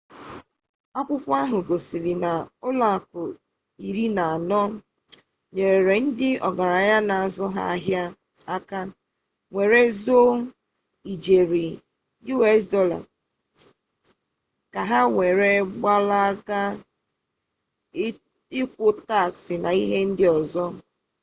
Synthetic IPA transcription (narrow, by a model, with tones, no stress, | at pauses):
a˦pʊ˦pʊ˦a˦ɦʊ˨ɡo˨si˨li˨na˨ʊ˦la˨kʊ˨ | i˨ɾi˦na˨a˨nɔ˦ | ɲe˨ɾe˨ɾe˨n̩˦dɪ˦ɔ˨ɡa˨ɾa˨ja˦na˨a˨zɔ˦ɦa̰˦˨˦ɦja˦ | a˦ka˦ | ŋʷe˨ɾe˦zo˦ | i˨d͡ʒe˨ɾi˨ | ju˦e˦s̬dɔ˦la̰˨ | ka˨ɦa˦ŋʷe˨ɾe˦ɡ͡ba˦la˦ɡa˦ | ɪ˦kʷʊ˦ta˦˨ksɪ˨na˨i˦ɦe˦n̩˦dɪ˦ɔ˨zɔ˦